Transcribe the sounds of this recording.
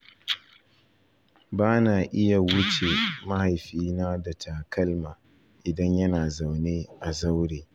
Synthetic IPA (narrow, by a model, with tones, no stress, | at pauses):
baː˦naː˨ʔɪ˦ja˨wʊ˦t͡ʃe˨mɐ˦ha˨jɸiː˦naː˦da˨tʰaː˨kɐ˦lmaː˨ | ʔɪ˨dɐ˦ɲjɐ˦naː˨za˨wneː˦ʔa˨za˦wɽeː˨